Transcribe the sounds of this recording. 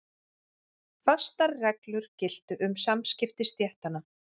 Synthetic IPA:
fḁst̪aɾrɛklʏɾ̥cɪl̥t̪ʏʔʏmsamscɪft̪ɪst̪jɛht̪ana

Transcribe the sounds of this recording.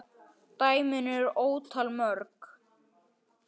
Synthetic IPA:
t̪aːjmʏnʏɾoːwt̪ʰalmœɾk

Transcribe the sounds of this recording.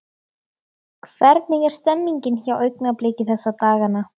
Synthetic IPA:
kʰv̥ɛɾt̪nɪɣɛɾ̥st̪ɛmːiɲcɪnçaːwœɥknapleːcɪθɛsːat̪aːɣanːa

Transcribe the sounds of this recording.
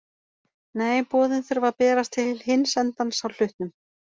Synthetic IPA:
neːjpɔːðɪnθʏɾvaɾpɛːɾast̪ʰɪlhɪnːsɛnt̪ansawl̥ʏht̪nʏm

